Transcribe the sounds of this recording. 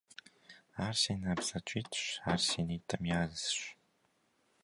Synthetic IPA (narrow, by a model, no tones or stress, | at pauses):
aːrsenabzɐt͡ʃʷʼiːtʰɕʷaːrsiːnetʰʼɐmjaːzsɕʷ